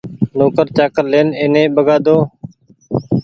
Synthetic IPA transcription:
noːkəɾt͡ʃaːkəɾleːneːnẽːbəɡaːd̪oː

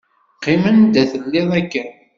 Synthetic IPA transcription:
qːɪmənd̪æθəlːɪðˤækːæn

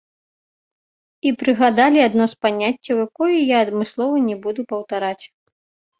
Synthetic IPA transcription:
ipɾɨɣad̪alʲiad̪nɔspanʲat͡sʲːɐwjakɔjujaːd̪mɨslˠɔvɐnʲɛbud̪upɐwt̪aɾat͡sʲ

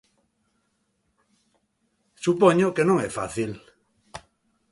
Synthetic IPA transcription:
supoɲokenõŋɛfa̰θil

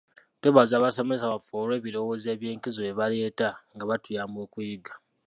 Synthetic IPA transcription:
teβazaːβaso̞mes̬aβafoɾwe̞ːβiɾo̞woːze̞ːβjeːŋkizoeβaleːtaŋɡaβatujaːmbo̞ːkujiɡḁ

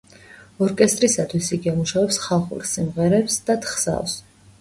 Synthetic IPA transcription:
ɔɾkʼɛst̪ʼɾisat̪ʰwisiɡiamuʃavɛpsχalˠχṵɾsimʁɛɾɛpsd̪̥at̪ʰχsa̰lˠs

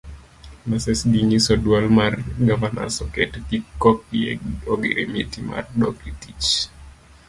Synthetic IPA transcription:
masɛsɡiŋisɔdwalmarɡavana̰sɔkɛtɛkikːɔk̚ɛ̰oɡḛɾemitima̰rdɔkɾitit͡ʃ

